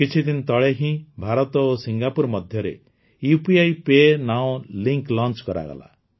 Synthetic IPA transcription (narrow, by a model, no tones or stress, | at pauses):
kit͡ʃʰid̪int̪ɔɭeɦĩbʱaɾɔt̪ɔosiŋɡapuɾmɔd̪ʱjɔɾḛ | jupiajpenaɔ̃liŋklɔnt͡ʃkɔɾa̰ɡɔ̰la̰